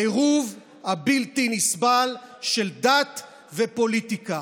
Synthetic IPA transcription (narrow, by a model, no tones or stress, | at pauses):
eʁuv | habilt̪inisbalʃeld̪at̪ | vepo̞lit̪ika